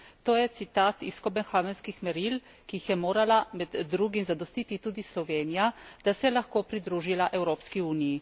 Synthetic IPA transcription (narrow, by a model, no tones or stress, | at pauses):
t̪oːjɛt̪sit̪aːt̪iskɔbɛnxaʋɛnskixmɛɾil | kiixjɛmoːɾalamɛd̪d̪ːɾuːɡimzad̪ɔst̪it̪it̪uːd̪islɔʋeːnijad̪̥asɛɛlaxkoːpɾid̪ɾuːʒilaʔɛwɾoːpskiuːniji